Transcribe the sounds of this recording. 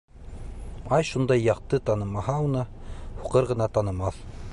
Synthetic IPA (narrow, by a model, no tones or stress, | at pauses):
ɑjʃund̪ɑjːɑqt̪ɤt̪ɑnɤ̆mɑhɑunɤhuqɤɾʁɤ̆nɑt̪ɑnɤ̆mɑθ